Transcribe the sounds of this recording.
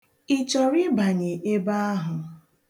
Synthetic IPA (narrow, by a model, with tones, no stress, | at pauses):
i˨t͡ʃɔ˨ɾɪ˦ba˨ɲe˨ʔe˦ba˦a˦ɦʊ˨